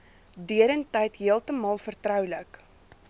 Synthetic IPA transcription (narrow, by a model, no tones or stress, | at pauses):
dyəɾəntɛjtɦiəlˠtəmɑːlˠfərtrœwlək